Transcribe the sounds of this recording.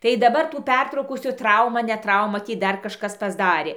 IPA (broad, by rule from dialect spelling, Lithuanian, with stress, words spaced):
tɐɪ dɐˈbɐr tuː ˈpʲɛrtrɐʊkuː sʊ ˈtrɐʊmɐ ˈnʲɛ ˈtrɐʊmɐ ˈtʲiː ˈdɐr kɐʃˈkɐs pɐzˈdɑːrʲeː